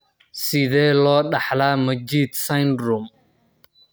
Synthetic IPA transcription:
sɪðɛːlɔːɖɑħlaːmɐd͡ʒiːd̪sajnrʊm

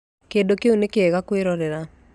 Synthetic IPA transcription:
kedokeonekeɛɣakweɾɔɾeɾa

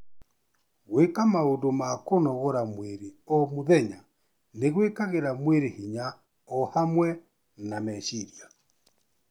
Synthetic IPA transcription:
ɣwekamaodomakonɔɣoɾamweɾeɔmoðɛɲa | neɣwekaɣeɾamweɾehiɲa | ɔhamwɛ | namɛʃiɾia

